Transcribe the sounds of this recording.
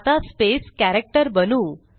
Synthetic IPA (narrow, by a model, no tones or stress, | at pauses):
t̪aspeskæɾek̚ʈəɾbənuː